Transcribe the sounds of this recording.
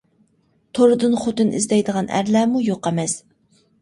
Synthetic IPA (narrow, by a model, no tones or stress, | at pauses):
t̪ʰoɾɨd̪ɨnχot̪ɨnɪ̰zd̪ɛjd̪əʁɑnæ̰ɾlæːmujoqɛmɛs